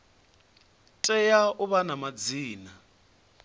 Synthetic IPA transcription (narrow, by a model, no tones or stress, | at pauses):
tʼɛjauβanamad͡ziːna